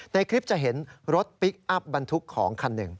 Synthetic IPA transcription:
na˧jkʰɾi˦˥p̚t͡ɕa˨˩ɦe˩˦nɾo˦˥t̪̚pi˦˥k̚ʔa˦˥p̚ba˧nt̪ʰu˦˥kʰːɔː˩˦ŋkʰa˧nːɯ˨˩ŋ

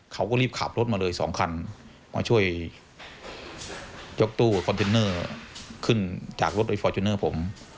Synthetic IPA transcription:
kʰa˦˥˩wkɔː˥˩liː˥˩p̚kʰa̰ː˨˩p̚ɾo˦˥t̪̚maː˧lɤː˧jsɔ̰ː˩˦ŋkʰa˧n | ma̰ː˧t͡ɕʰu˥˩əj | jo˦˥k̚t̪uː˥˩kʰɔ˧nt̪ʰeː˧nɤː˥˩kʰɯ˥˩nt͡ɕaː˨˩k̚lo˦˥t̪̚ʔa˧˩fɔː˧˩t͡ɕʰu˧˦nɤː˥˩pʰo˩˦m

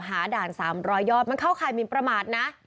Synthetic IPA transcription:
ɦaː˩˦daː˨˩nsaː˩˦mɾɔː˦˥jːɔː˥˩t̪̚ma˧nkʰa˥˩wkʰaː˧˩jmi˧˩npɾa˧maː˨˩t̪̚na˦˥ʔ

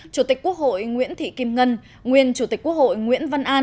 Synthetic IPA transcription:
t͡ɕu˧˩t̪i˨˩k̟̚ku˦˥ək̚ho̰˧˨jŋwḭ˧˥ənt̪ʰḭ˧˨ki˧mŋə˧n | ŋwi˧ənt͡ɕu˧˩t̪i̟˨˩kːu˦˥ək̚ho̰˧˨jŋwḭ˧˥ənva˧nʔaː˧

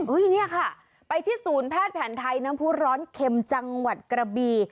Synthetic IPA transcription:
ʔɤ˦˥˩jni˥˩ɐkʰa˥˩ | pa˧jt̪ʰiː˥˩suː˩˦npʰɛː˥˩t̪̚pʰɛː˩˦nt̪ʰa˧jnaː˦˥mpʰuː˦˥ɾɔː˦˥nkʰe˧mt͡ɕa˧ŋwa˨˩t̪̚kɾa˧biː˧

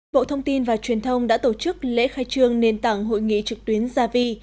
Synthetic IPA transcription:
ɓo̰˧˨t̪ʰə˧wŋ͡mt̪i˧nvaː˨˩t͡ɕwi˨˩ənt̪ʰə˧wŋ͡mɗa̰ː˧˥t̪o˧˩t͡ɕɨ˦˥k̚lḛ˧˥xaː˧jt͡ɕɨ˧əŋne˧nt̪a˧˩ŋɦo̰˧˨jŋḭ˧˨t͡ɕɨ˨˩k̚t̪wi˨˦ənzaː˧vi˧

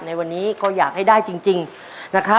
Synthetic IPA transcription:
na˧jwa˧nːiː˦˥kɔː˥˩jaː˨˩k̚ha˥˩jdaː˥˩jt͡ɕi˧ŋt͡ɕi˧ŋ | na˦˥kʰɾa˦˥

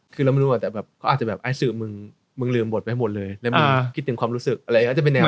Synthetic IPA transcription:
kʰɯː˧lɛ˦˥m˧nu˦˥waː˨˩t̪ɛː˨˩bɛː˨˩p̚kʰɔ˦˥aː˨˩t̚t͡ɕa˨˩bɛː˨˩p̚ʔa˧˥˦sɯː˧˩mɯ˧ŋ | mɯ˧lɯː˧mbo˨˩t̪̚a˧tʰa˥˩mo˨˩t̪̚lɤː˧jlɛ˦˥a˧kʰi˦˥t̪ːʰŋkwaː˧mɾuː˦˥sɯ˨˩k̚ʔa˧ɾa˧˨˧t͡ɕa˨˩pe˧nːɛː˧

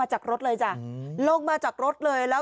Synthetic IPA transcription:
aː˧t͡ɕa˨˩k̚ɾo˦˥t̚ləː˨˩jzaː˧˩lo˧ŋ̚maː˧t͡ɕa˨˩k̚ɾo˦˥t̚ləː˧˩jlaː˨˦

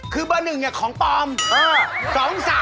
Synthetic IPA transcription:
kʰɯː˧bɯː˧nːɯ˨˩ŋːa˧˩kʰɔː˩˦ŋp̪ɔː˧mʔɤː˧˩sɔː˩˦ŋsaː˨˦

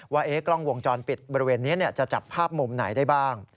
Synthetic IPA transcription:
waː˥˩ʔeː˦˥kɾɔ˥˩ŋwo˧ŋt͡ɕɔː˧npi˨˩t̪̚bɔː˧ɾi˧weː˧nːi˦˥ni˥˩ət͡ɕa˨˩t͡ɕa˨˩pʰːaː˥˩p̚mu˧mna˩˦jda˥˩jbaː˥˩ŋ

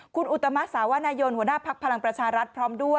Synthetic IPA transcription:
kʰu˧nʔu˨˩t̪ːa˧ma˦˥saː˩˦wa˧˥naː˧jo˧nhu˩ənaː˥˩pʰa˦˥k̚pʰa˧la˧ŋpɾa˧t͡ɕʰaː˧ɾa˦˥t̪̚pʰɾɔː˦˥mdu˥˩ə

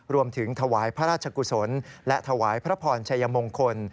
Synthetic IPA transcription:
ɾu˧əmt̪ʰɯ˩˦ŋt̪ʰa˧waː˩˦jpʰɾa˦˥ɾaː˥˩t͡ɕʰa˧ku˧˩so˩˦nlɛ˦˥ʔt̪ʰa˧waː˩˦jpʰɾa˦˥pʰɔː˧nt͡ɕʰa˧jːa˧mo˧ŋkʰo˧n

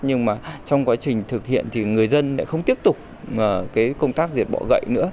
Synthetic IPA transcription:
ɲɨ˧ŋmaː˨˩t͡ɕɔ˧wŋ͡mkwaː˨˦t͡ɕï˨˩ŋ̟t̪ʰɨ˨˩k̚hḭ˧˨ənt̪ʰi˨˩ŋɨ˨˩əjzə˧nla̰ː˧˥xə˧wŋ͡mt̪i˦˥əp̚t̪ʊ˨˩k͡p̚ | ʔəː˨˩kaː˨˦jkə˧wŋ͡mt̪aː˦˥k̚zi˨˩t̚ɓɔ̰˧˩ɣə̰˧˨jnɨ̰˧˥ə

